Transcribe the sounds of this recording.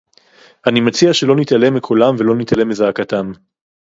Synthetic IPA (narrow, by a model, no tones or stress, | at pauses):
ʔanimat͡siaʃelo̞nit̪ale̞mekʰulamvelo̞nit̪ale̞mezaːkat̪am